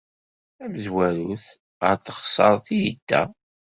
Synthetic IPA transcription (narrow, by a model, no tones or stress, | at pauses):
æməzwæɾuθ | ə̰ɾθə̥χsˤəɾˤθijəd̪ːæ̰